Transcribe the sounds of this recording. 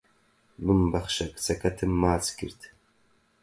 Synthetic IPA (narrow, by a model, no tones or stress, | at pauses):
bɨmbɐχʃɐkʼt͡sʰɐkʰɐtʰɨmːaːt͡sʼɡʲɪ̰rtʰ